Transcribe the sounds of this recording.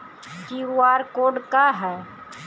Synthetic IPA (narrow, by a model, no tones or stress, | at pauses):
d͡ʒiaːɾkoːɖkaɦɛː